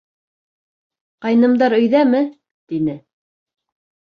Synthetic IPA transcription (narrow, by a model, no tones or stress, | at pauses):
qɑjnɤ̆md̪ɑɾɵ̆jðæmɘ | t̪inɘ